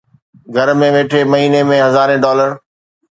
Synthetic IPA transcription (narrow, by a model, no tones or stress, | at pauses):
ɡʱɐɾmẽʋeːʈʰemɐɦiːnemẽɦɐzaːɾẽɖɔːləɾ